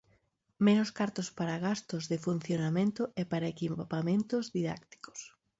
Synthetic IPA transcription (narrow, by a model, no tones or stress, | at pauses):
menoskaɾt̪ospaɾaɣast̪ozðɪfun̟θjonamẽnt̪ʊʔepaɾaekipamẽnt̪ozðiða̰kt̪i̥ko̥s